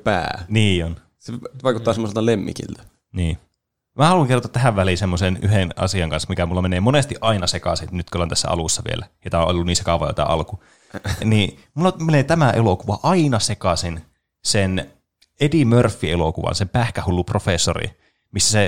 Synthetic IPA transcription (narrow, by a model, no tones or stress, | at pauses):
pæ̰ːniːon | seʋɑikut̪ːɑːsemːoselt̪ɑlemːḭkḭlt̪æ̥ | niː | mæhɑluŋkert̪ːɑt̪æɦæʋʋælisemːoseny̰ɦenɑ̰siɑŋkɑnsmikæmulːɑmeneːmonest̪iʔɑinɑsekɑ̰senyt̪kolːont̪æsːæ̰ɑ̰lusːɑʋḭḛlæjot̪æoʔo̰lʲolːuniːsekɑʋɑ̰jo̰t̪ɑ̰ʔɑ̰lku | niːmulːomeneːt̪æmæʔelokuʋɑʔɑinɑsekɑsen | sen | edimørfːielokuʋɑ̰nsempæhkæhulːuprofesːorḭ | misːæse